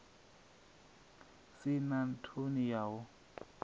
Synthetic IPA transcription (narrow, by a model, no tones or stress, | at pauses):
sɪnan̩tʰonijaːwʊ